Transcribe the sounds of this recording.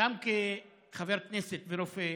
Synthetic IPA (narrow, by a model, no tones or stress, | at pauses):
amke | χaveɾkneset̪veɾofe